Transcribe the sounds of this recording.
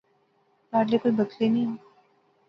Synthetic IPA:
paɾlekoibəkleni

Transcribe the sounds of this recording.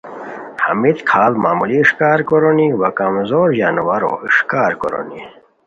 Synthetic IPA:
hɐ̰mit̪kʰaːlmaːmuliʂkaːɾkoɾoniwɐkɐmzoːɾjaːnwaɾo̰iʂkaːɾko̰ɾo̰ni

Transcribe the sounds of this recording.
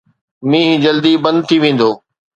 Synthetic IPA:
mĩːɦd͡ʑɐld̪ibɐ̃nd̪̚t̪ʰiʋẽːn̆d̪oː

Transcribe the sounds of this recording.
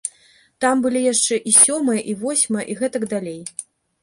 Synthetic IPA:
t̪ambɨlʲijaʂt͡ʂɛʔisʲɔmɨjɐʔivɔsʲmɨjɐ̰ʔiɣɛt̪ɐɡd̪alʲej

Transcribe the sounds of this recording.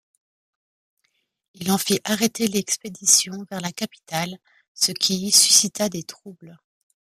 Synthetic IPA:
ilɑ̃fiʔaʁet̪elɛksped̪isjɔ̃vɛʁlakapi̥t̪al | səkʲʰisy̥sit̪ad̪et̪χubl

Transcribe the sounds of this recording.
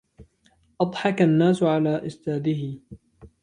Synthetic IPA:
ʔɑd̪ˤħɑkanːaːsʊʕalaːʔɪst̪aːd̪ɪhɪ

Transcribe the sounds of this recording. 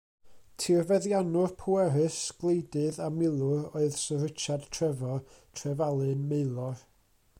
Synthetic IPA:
tʰirvɛðjanʊrpʰuɛɾɨsɡ̥lˠejdɨðamɪlˠʊɾoɨð̥sərɪt͡ʃʰad̥tʰrɛvɔ | tʰrɛvalˠɨnmeɨlˠɔr

